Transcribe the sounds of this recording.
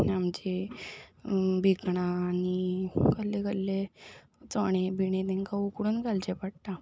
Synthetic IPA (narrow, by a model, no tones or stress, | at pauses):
amd͡ʑe | bʱikɳaːñikəlːekəlːe | t͡sɔɽ̃ebʱiɽ̃ẽt̪ɛ̃ŋkaukuɽunɡalt͡ɕepaɽʈa